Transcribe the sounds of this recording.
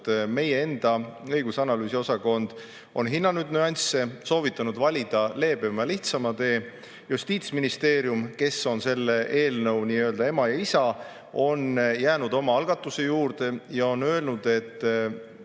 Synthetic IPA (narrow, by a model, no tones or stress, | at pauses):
t̪me̞je̞e̞nd̪̥ɑɤjɡusɑnɑlyːsio̞sɑko̞nd̪̥ | o̞̰nɦinːɑnyd̪̥nyɑnʲsːe̞so̞ːvit̪ːˑɑnud̪vɑlʲid̪̥ɑle̞ːb̥e̞mɑliht̪sɑmɑt̪e̞ː | just̪iːt̪sminist̪e̞ːɾjumke̞sːo̞nse̞lːe̞ʔe̞ːlnɤwniːø̞ld̪̥ɑe̞mɑjɑisɑ | o̞njæːnud̪̥o̞mɑɑlɡ̥ɑt̪ːˑuse̞juːrd̪̥e̞jɑo̞nːø̞elnud̪e̞t̪ːˑ